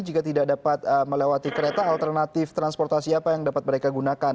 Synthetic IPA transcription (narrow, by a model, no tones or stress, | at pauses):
d͡ʒikat̪idak̚dapat̪̚əməlewat̪ikəɾet̪aːlt̪ərnat̪ɪft̪ɾanspɔrt̪asiapajaŋdapat̪̚məɾekaɡunakan